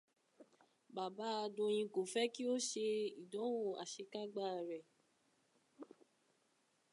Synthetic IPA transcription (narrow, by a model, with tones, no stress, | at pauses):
ba˨ba˨˦a˧dõ˧j̃ĩ˧ko˨fɛ˦ki˦o˦ʃe˧i˨dɔ̃˨˦wo˦˨a˨ʃe˧ka˦ɡ͡ba˦˨ɾɛ˨